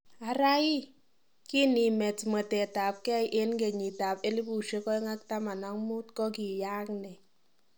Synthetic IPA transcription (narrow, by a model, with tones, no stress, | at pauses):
a˨ɾa˦ji˦ | ki˦ni˨mɛ˨tmɛ˨tɛ˨ta˨p̚kɛ˦jʔe˦nɡe˨ɲi˨ta˨pe˦li˦pu˨ʃe˦kɔ˦i˦ŋa˦k̚ta˦ma˨na˦ŋmu˦t̚kɔ˦ki˨ja˦knɛ˨